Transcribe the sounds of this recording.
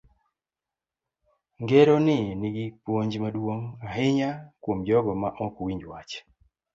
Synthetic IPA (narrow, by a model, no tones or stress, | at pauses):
ŋɡeɾonɪnɪɡipwoɲd͡ʒmadwoŋaɦɪɲakwomd͡ʒɔɡɔmaʔɔkwiɲd͡ʒwat͡ʃ